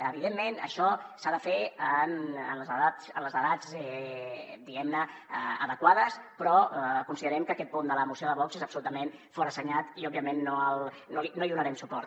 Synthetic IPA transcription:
əβiðemːenə̰ʃɔsaðəfeənənləzəðasənləzəðad͡zɛ | d̪iɣɛmnəəðəkwaðəspɾɔkunsiðəɾɛmkəːkɛt̪̚pund̪ələmusioðəβɔkzezəpsulut̪əmenfɔɾəsəɲat̪iɔbiəmenːoəlˠ | nolinoiðunəɾɛmsupɔɾt̪

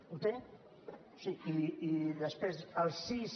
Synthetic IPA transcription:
ut̪e | siiiðəspɾezəlˠsis

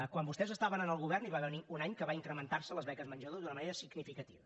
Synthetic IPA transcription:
kwambust̪ɛzəst̪aβənənəlˠɣuβɛrniβaβɛniunaɲkəβaiŋkɾəmənt̪arsələzβɛkəzmənʒəðozd̪unəməneɾəsiɡnifikət̪iβə

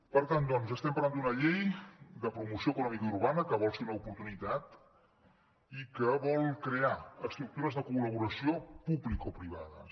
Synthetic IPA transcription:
pəɾt̪and̪ɔnzəst̪ɛmpəɾland̪unəʎejd̪əpɾumusioəkunɔmikəuɾβanəkəβɔlˠseɾunəupuɾt̪unit̪at̪ | ikəβɔlˠkɾeaəkst̪ɾuk̚t̪uɾəzðəkuləβ̞uɾəsiopublikɔpɾiβaðə̰

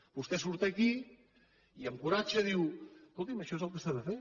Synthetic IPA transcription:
b̥ust̪ɛsuɾt̪əki | iəmkuɾat͡ʃəðiweskolˠt̪iməʃɔezəlˠkəsaðəfe

